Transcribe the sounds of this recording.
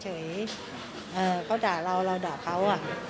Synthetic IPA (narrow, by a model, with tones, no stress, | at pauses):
t͡ɕʰɤː˩˦j | ʔɤː˨˩kʰa˦˥˩wt͡ɕaː˨˩ɾa˧wɾa˧wdɔː˨˩p̚kʰːa˦˥wʔa˧˩